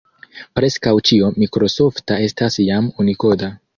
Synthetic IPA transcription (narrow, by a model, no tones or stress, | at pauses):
pɾe̞skawt͡ʃio̞mikɾo̞so̞ftae̞stasjamuniko̞da